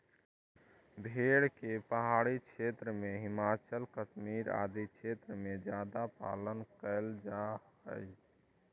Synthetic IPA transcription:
bʱeɽkepəɦaɽikʰet̪ɾəmeɦimat͡ʃəlkəsmiɾa̰d̪ikʰet̪ɾəmed͡ʒjad̪apa̰lənkəɪld͡ʒaəj

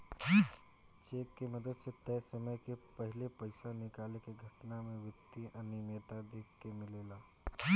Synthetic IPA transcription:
t͡ʃeːkːeməd̪əd̪set̪ɛːsəməjkepəɦɪlepəɪsanɪkaːlekeɡʱəʈnameʋɪt̪ːiənimeːt̪ad̪eːkʰːemɪlela

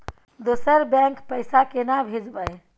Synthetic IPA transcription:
d̪osəɾbɛ̃ŋkpəjsakenabʱed͡ʒbəj

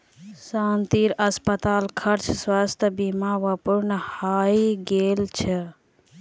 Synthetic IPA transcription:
saːnt̪iɾəspət̪aːlkʰəɾt͡ʃʰswast̪ʰəbimaʋəpuɾnəhaːiɡeːlt͡ʃʰɛ

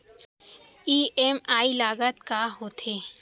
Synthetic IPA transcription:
iːɛmaːilaːɡət̪kaɦoːt̪ʰeː

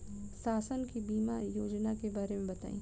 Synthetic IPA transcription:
saːsənkibiːmajoːd͡ʒnakebaːɾemẽbɐt̪a̰ːḭ̃ː

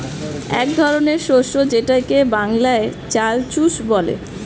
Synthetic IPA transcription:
ɛ̰kd̪ʱɔɾoneɾʃoʃod͡ʑeʈajkebaŋlaet͡ɕalt͡ɕuʃbɔlḛ

